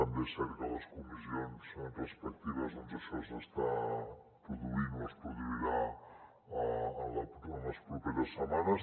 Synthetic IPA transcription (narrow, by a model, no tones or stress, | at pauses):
əmbesɛɾkələskumizionsrəspək̚t̪iβəzonzəʃɔsəst̪a | pɾuðuinoəspɾuðuiɾa | əənləpənləspɾupɛɾəsːəmanəs